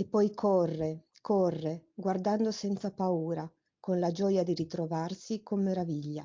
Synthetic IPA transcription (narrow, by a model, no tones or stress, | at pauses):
epːɔjkʰɔrːe | kʰɔrːeɡward̪and̪osɛnt̪sapauːɾa | konlad͡ʒɔjad̪iɾit̪ɾovarsikomːeɾaviʎːa